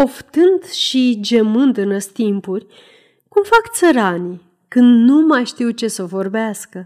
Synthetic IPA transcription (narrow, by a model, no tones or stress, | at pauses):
oft̪ɨnd̪ʃid͡ʒemɨnd̪ɨnəst̪impurʲ | kumfakt̪səɾani | kɨnd̪numajʃt̪iwt͡ʃe̞səvo̞rbeaskə